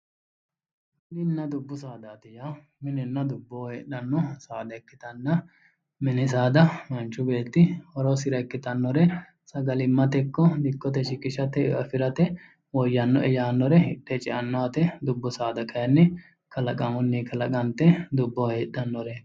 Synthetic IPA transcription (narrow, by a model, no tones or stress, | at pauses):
nɪnːɐd̪ʊbːʊsaːd̪aːt̪ɪja | mɪnɛnːɐd̪ʊbːoːheːɗɐnːɔsaːd̪ɐkːɪt̪ɐnːɐ | mɛnɪs̬aːd̪ɐmɐnt͡ʃːʊbe̞ːt̪ːɪhɔɾosɪɾɐkːɪt̪ɐnːɔɾɛ | sɐɡɐlɪmːɐt̪ɛkːɔd̪ɪkːɔt̪̬ɛʃɪkːɪʃɐt̪ɛɐfɪɾɐt̪ɛ | wɔjːɐnːɔʔɛjaːnːɔɾɛhɪɗːɛt͡ʃʼɪʔɐnːɔɐt̪ɛd̪ʊbːʊsaːd̪ɐkɐjɐnːɛ | kɐlɐkʼɐmɔnːikɐlɐkʼɐnt̪ːɛd̪ʊbːɔːheːɗːɐnːɔɾɛ